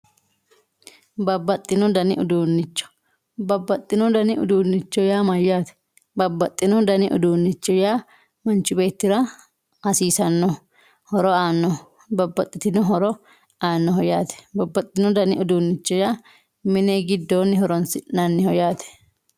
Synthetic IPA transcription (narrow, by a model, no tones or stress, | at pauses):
bɐbːɐt̪ʼːɪnɔd̪ɐnɪ̰ʔʊd̪uːnːɪt͡ʃːɔ̥ | bɐbːɐt̪ʼːɪnɔd̪ɐnɪʊ̰d̪uːnːɪt͡ʃːɔjaːmɐjːaːt̪ɛ̥ | bɐbːɐt̪ʼːɪnɔd̪ɐnɪʔʊ̰d̪uːnːɪt͡ʃːɔjaː | mɐnt͡ʃːʊbe̞ːt̪ːɪɾɐ | ɐsiːsɐnːɔ | hɔɾɔaːnːɔ | bɐbːɐt̪ʼːɪt̪ɪnɔɦɔɾɔ | aːnːɔɦɔjaːt̪ɛ̥bɐbːɐt̪ʼːɪnɔd̪ɐnɪʊd̪uːnːɪt͡ʃːɔjaː | mɪneːɡɪd̪ːoːnːɪhɔɾɔnsɪnɐnːɪhɔjaːt̪ɛ̥